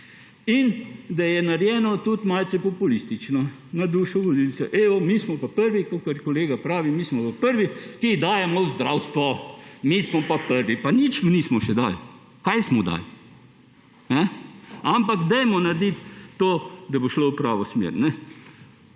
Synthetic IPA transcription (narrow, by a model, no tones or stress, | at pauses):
ind̪ɐjɛnaɾjɛːnɔt̪ut̪malt̪sɛpɔpulist̪it͡ʃnɔ | nad̪uːʃɔʋolilsɛʔeːɔmiːsmɔpapəɾʋikokɐɾkoleːɡapɾaːʋimiːsmɔpapəɾʋikid̪aːjɛmɔzd̪ɾawst̪ʋɔmismɔpapəɾʋipanit͡ʃmnismɔʃɛd̪a̰ːl | kajsmɔd̪a̰ːl | nɛampaɡd̪ɛjmɔnɐɾd̪it̪ːoːd̪ɐboʃlowpɾaːʋɔsmḛɾnɛ